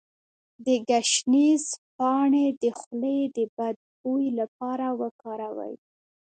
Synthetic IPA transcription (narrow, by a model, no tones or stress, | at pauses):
d̪əɡaʃnizpɑɳed̪əxled̪əbad̪̚bujlapɑɾawəkɑɾawə̰j